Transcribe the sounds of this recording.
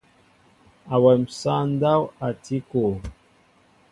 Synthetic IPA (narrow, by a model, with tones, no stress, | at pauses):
a˨wɛ˨m̩˨sa˦n˦da˦wa˨tʰi˦ko˨